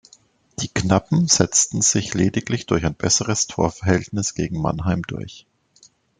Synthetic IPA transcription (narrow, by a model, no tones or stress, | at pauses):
d̥iːknapm̩z̥ɛt͡stn̩z̥ɪçleːdɪklɪçd̥ʊɐçaɪnb̥ɛsəʁəstʰo̰ːɐfɛɐhɛltnɪsɡ̥eːɡŋ̩ma̰nɦaɪmdʊɐç